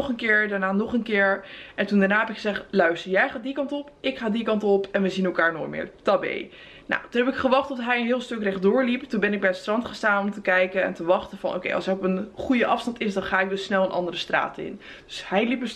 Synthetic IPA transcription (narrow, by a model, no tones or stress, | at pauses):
χənkɪːɹdaɹnaːnɔχənkɪːɹʔɛntundanaːɦɛpɪkχəzɛχtlœɥstəɹjɛjχaːdikɑntɔpɪkχaːdikɑntɔpɛnʋəzinɛlˠkaːɹno̰ːjtmɪ̰ːɹtɑbḛj | na̰wtunɦɛpɪkχəʋɑχtɔfɦɛjənɦɪːlˠstɵkrɛχdʊːɹliptunbɛnɪɡ̚bɛjətstrɑntχəstaːnɔmtəkɛjkənɛ̰ntəʋɑχtənvɑ̰nʔo̰wkḛjʔɑ̰lˠsɛrɔpənχujəʔɑfstɑntɪsdɑnχaːɪɡ̚dɵsːnɛlˠənʔɑ̰ndərəstra̰ːtɪ̰n | d̥ɵshɛjlips